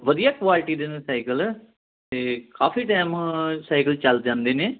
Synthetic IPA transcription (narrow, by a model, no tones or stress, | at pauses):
ʋəd̪ijaːkʋaːlʈiːd̪enesaːɪkəlɛ | t̪eːkaːfiːʈaːmsaːɪkəlt͡ʃəld͡ʒãːnd̪eːneː